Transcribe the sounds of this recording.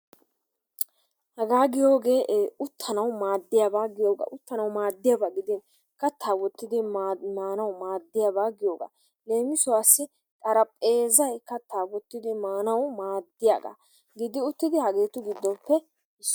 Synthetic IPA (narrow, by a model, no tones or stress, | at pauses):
hɐɡaːɡɪjo̞ːɡe̞ːʔʊt̪ʰːɐnɐwmaːd̪ːɪjabaːɡɪjo̞ːɡa̰ːʔʊt̪ːɐnɐwmaːd̪ːɪjabaːɡɪd̪ɪn | kɐt̪ʰːaːwɔt̪ːɪd̪ɪmaːnɐwmaːd̪ːɪjabaːɡɪjo̞ːɡa̰ | leːmɪsʊwaːsːɪ | k̪ʼɐɾɐpʼe̞ːzɐjkɐt̪ʰaːwɔt̪ːɪd̪ɪmaːnɐwmaːd̪ːɪjaːɡa̰ | ɡɪd̪ɪʊt̪ːɪd̪ɪhɐɡe̞ːt̪ʊɡɪd̪ːɔpːɛ | ɪs